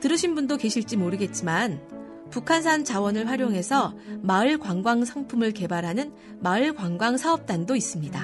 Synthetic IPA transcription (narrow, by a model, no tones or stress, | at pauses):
tɯɾɯɕʰinbundoke̞ɕʰiɭt͡ɕ͈imoɾɯɡe̞t̚t͡ɕ͈iman | pukʰansʰant͡ɕawʌnɯɭɸwaɾjoŋɦe̞sʰʌmaɯɭkwaŋɡwaŋsʰaŋpʰumɯɭke̞baɾɦanɯn | maɯɭkwaŋɡwaŋsʰaʌp̚t͈andois͈ɯmɲida